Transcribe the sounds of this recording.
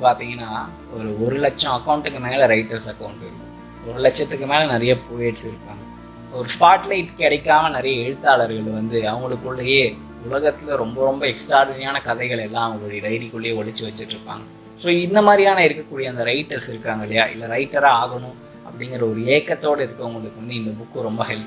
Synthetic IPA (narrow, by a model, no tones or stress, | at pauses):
paːɾt̪iːŋɡɐnːaː | ɔɾɯɔɾɯlɛt͡ʃːɔ̃ɐkːɐʊɳʈɯkːɯmeːlɐɾɐɪʈːɐɾsɐkːɐʊɳʈɯ | ɔɾɯlɛt͡ʃːɐt̪ːɯkːɯmeːlɐnɐɾɐjɐpoːjeːʈsɪɾɯkːaːŋɡɐ | ɔɾɯspaːɾʈlɐɪʈkɛɽɪkːaːmɐnɪɾɐjɐɛɻɯt̪ːaːlɐɾɣɐɭʋɐnd̪ɯɐʋɐŋɡɐɭɯkːɯɭːɐjeː | ʊlɐɣɐt̪ːɪlɐɾɔmbɐɾɔmbɐɛksʈɾaːɾdɪnɪjaːnɐkɐðɐɪɣɐɭɛlːãːɐʋɐŋɡɐɭɯɽiɖɐɪɾikɯɭːɐjeːɔɭɐt͡ʃːɯʋɐt͡ʃːɪʈːɾɯkːa̰ːŋɡɐ | soːɪnd̪ɐmaːd̪ɾijaːnɐɪɾɯkːɐkːuːɽɪjɐnd̪ɐɾɐɪʈːɐɾsɪɾɯkːaːŋɡɐlːɐjaːʔɪ̰lːɐɾɐɪʈːɐɾaːaːɣɐɳʊ̃ | ɐ̰pːɐɽɪŋɡɪɾɐɔɾɯeːkːɐt̪ːoːɽɐɪɾɯkːɐʋɐŋɡɐɭɯkːɯʋɐnd̪ɯɪnd̪ɐbʊkːɯɾɔmbɐɦɛlt̪